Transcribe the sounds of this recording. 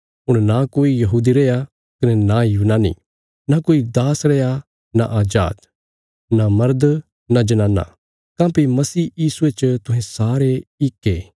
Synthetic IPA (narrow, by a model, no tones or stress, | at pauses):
ʊɽ̃nakoːijɐɦuːd̪iɾeːja | kɐnɛnajuːnaːnḭ | nakoːid̪aːsɾɛːa | na̰ʔaːd͡ʒa̰ːd̪ | namɐɾd̪ | nad͡ʒɐnãːna̰ | kãːpimɐsiːjiːsuet͡ʃt̪ʊ̃ɦẽsaːɾeɪkːeː